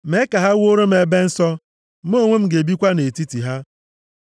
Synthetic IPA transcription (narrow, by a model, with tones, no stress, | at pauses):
m̩e˦ka˨ɦa˦wo˦ɾo˦m̩˦e˨be˦n̩˦sɔ˦ | m̩˦o˦˨ŋʷe˦m̩˦ɡe˨bi˦kʷa˦ne˨ti˦ti˨ɦa˦